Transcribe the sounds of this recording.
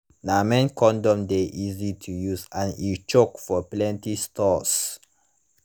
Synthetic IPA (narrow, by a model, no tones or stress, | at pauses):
namɛ̃nkʰɔ̃ndɔ̃mdeʔizitʰujuzãnit͡ʃokfɔplɛ̃ntistʰɔs